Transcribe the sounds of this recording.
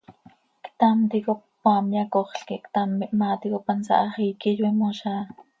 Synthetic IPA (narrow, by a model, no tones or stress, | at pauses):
kt̪amt̪iko | pamjakoχɬkikt̪amimat̪ikopansa̰ʔχikijimoʃa